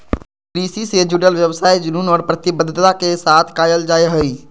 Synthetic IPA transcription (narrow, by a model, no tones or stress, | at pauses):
pɾisised͡ʒuɽəlʋjəbsajd͡ʒununɔːɾpɾət̪ibəd̪ʱt̪akesat̪ʰkajəld͡ʒajɦəj